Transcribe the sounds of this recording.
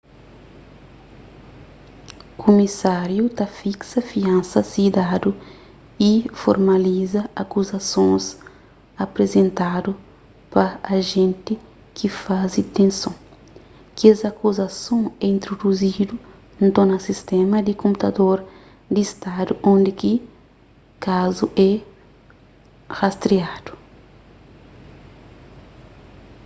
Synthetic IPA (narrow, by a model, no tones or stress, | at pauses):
kʰomisaɾjut̪ɐfiksɐfiãnsɐsid̪ad̪u | ifo̰ɾmɐlizɐɐkuzɐsõs | ɐpɾezẽnt̪ad̪u | pɐːʒẽnt̪i | kʰifazit̪ẽnsõ | kiɛzakuzɐsõɛĩnt̪ɾod̪uzid̪u | nt̪õnɐsist̪ɛ̃mɐd̪ikõmput̪ɐd̪oɾ | d̪ist̪ad̪uʔõnd̪iki | kazuʔɛ | hast̪ɾiad̪̥u̥